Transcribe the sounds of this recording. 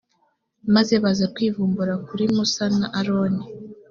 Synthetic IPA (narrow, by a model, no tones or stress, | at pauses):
mazeβazakwiːvuːmbuɾakuɾimusanaʔaɾoni